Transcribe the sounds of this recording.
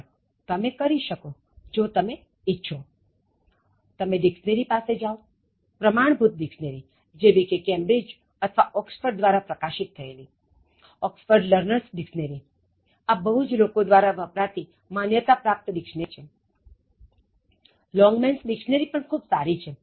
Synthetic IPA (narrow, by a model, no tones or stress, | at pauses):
t̪əmekəɾiʃəko | d͡ʒot̪əme | ɪtːʃʰo | t̪əmeɖɪksneɾipased͡ʒao | pɾəmaɳ̃bʱut̪̚ɖɪksneɾi | d͡ʒebikekɛmbɾid͡ʒ | ət̪ʰʋaʔɔksfəɾɖ̚d̪ʋaɾapɾəkaʃɪt̪ʰːəeli | ɔksfəɾɖləɾnəɾsɖɪksneɾi | abəɦud͡ʒlokod̪ʋaɾaʋəpɾat̪i | manjət̪apɾap̚t̪ɖɪkʃnet͡ʃʰe | lɔ̃ŋɡmɛnsɖikʃneɾipəɳkʰubsaɾit͡ʃʰe